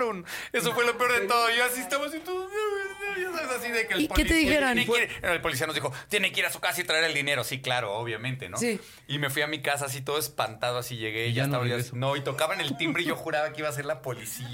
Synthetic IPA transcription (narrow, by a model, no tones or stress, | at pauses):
ɾone̞s̬ofwe̞lopeoɾðet̪oðoasiest̪amos̬it̪oðoeɾβeeʝasaβesasiðekelpoket̪eðixeɾoneenoelpolisianozðixot̪je̞nekeiɾasu̥kasait̪ɾaeɾeld̪ine̞ɾosiklaɾo̞oβ̞jamẽnt̪enos | ime̞fwiamikasaːs̬it̪o̞ð̞oespant̪að̞oasiʝe̞ɣe̞ʝasaβanoit̪o̞kaβaene̞lt̪imbɾeiʝo̞xuɾaβakeiβas̬eɾlapo̞lisi